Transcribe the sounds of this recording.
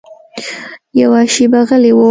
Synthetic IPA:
jawaʃibaɣəlewo

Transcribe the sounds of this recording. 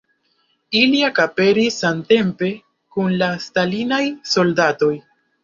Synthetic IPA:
iliakape̞ɾisante̞mpe̞ | kunlastalinajso̞ldato̞j

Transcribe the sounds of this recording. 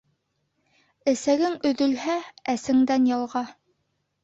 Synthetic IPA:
ɘ̆sæɡɘŋɵ̆ðɵ̆lhææsɘ̆ŋd̪ænjɑlˠʁɑ

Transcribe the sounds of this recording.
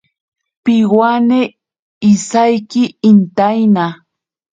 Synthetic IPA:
pɪwaneː | sajkɪːnt̪ajna

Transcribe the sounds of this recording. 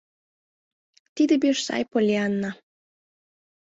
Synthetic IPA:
t̪id̪ebʲeʃsɑ̰jpolʲeɑnːɑ

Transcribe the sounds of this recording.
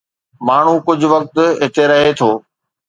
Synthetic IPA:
maːɳ̤ukʊd͡ʑʱʊ̆ʋɐk̚t̪ɦɪt̪eɾɐɦet̪ʰoː

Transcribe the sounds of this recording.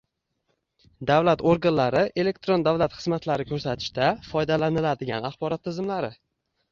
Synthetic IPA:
d̪avlat̪oɾɡanlaɾɪʔe̞le̞k̚t̪ɾo̞nd̪avlat̪χɨzmat̪laɾɪkʰʲɵɾsat̪ʰɪ̥ʃt̪ʰafɒjd̪alanɪlad̪ɪɡʲa̰naχbɒɾɒt̪ʰːɪzɪmlaɾɪ

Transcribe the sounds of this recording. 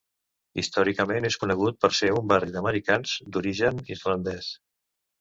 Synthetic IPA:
ḭst̪ɔɾikəmeneskunəɣ̞ut̪̚pəɾseumbarid̪əməɾikanz̥d̪uɾiʒənirlənd̪ɛs

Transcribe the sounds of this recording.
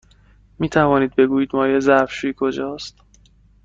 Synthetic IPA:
miːt̪ʰævɒːniːd̪̚be̞ɡuːjiːd̪mɒːjezæfʃuːikʰo̞d͡ʒɒːst̪

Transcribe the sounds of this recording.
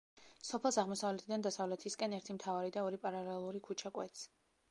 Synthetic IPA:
sɔpʰɛlˠsaʁmɔsavlɛt̪ʰid̪and̪asavlɛt̪ʰiskʼɛnɛɾt̪ʰimt̪ʰavaɾid̪aɔɾipʼaɾalɛlˠuɾikʰut͡ʃʰakʼwɛ̰t̪s

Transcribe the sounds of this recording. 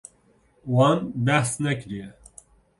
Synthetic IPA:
wɑːnbɛhsnɛkɾijɛ

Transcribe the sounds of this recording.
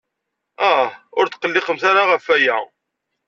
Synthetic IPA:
æhʊɾt̪qəlːɪχəmθaɾaʁəfæjæ

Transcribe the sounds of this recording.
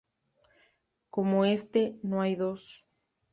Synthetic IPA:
komoest̪enõajðos

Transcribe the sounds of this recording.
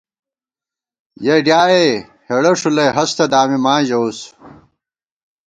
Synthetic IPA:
jeɖjaːje | heɽɐʂulejɦɐst̪ɐd̪aːmimãːʑɐws

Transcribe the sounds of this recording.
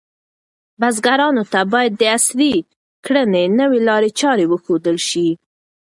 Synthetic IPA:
bazɡaɾɑnot̪abɑjad̪ːəasli | kɽənenəwelɑɾet͡ʃɑɾewəxod̪əlʃi

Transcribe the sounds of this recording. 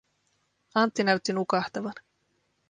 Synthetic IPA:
ɑnt̪ːinæɥt̪ːinukɑht̪ɑʋɑn

